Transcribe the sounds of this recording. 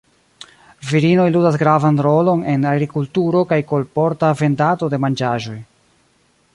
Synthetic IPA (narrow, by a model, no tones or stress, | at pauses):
viɾino̞jludas̬ɡɾavanɾo̞lo̞ne̞naɡɾikultuɾo̞kajko̞lpo̞ɾtave̞ndato̞de̞mand͡ʒaʒo̞j